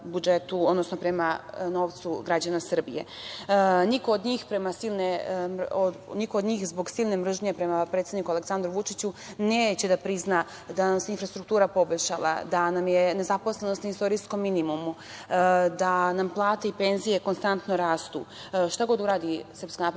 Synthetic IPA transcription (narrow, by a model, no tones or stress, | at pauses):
bud͡ʒe̞t̪uod̪no̞sno̞pɾe̞mano̞ːʋt̪suɡɾad͡ʑanasr̩bḭje̞̰ | niko̞ːd̪ɲiːxpɾe̞masilnemonikoːd̪ɲiːxzbo̞ɡsilˠne̞mr̩ʒɲe̞pɾe̞mapɾet̪sed̪nikuale̞k̪sand̪ɾuʋut͡ʃit͡ɕuneːt͡ɕe̞d̪apɾizna | d̪anamseinfɾast̪ɾuk̚t̪uːɾapo̞boʎʲʃalˠa̰d̪anamje̞ne̞zapo̞sle̞no̞st̪naist̪o̞ɾijsko̞mːinimumu | d̪anamplˠaːt̪eipe̞nzije̞ko̞nst̪ant̪noɾaːst̪ṵː | ʃt̪aɡo̞d̪uɾaːd̪isr̩pskanaːp